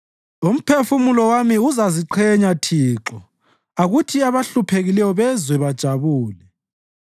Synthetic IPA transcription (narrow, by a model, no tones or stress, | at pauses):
um̩pʰefumulɔwamiuzaziǃʰɛɲatʰiːǁɔ | aɣutʰiaβaɬupʰeɣilɛjɔβɛzwɛβad̥ʒ̥ʱaβuːlɛ